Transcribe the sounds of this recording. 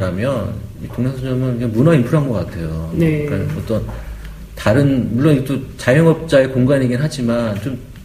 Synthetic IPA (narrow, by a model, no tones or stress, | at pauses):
ɾamjʌnitoŋnesʰʌd͡ʑʌmʌniɡemunainpʰuɾɦanɡʌk͈atʰe̞jonek͈aʌt͈ʌn | taɾɯnmuɭːoniɡet͈ot͡ɕajʌŋʌp̚t͡ɕ͈aekoŋɡaɲiɡinɦad͡ʑimant͡ɕom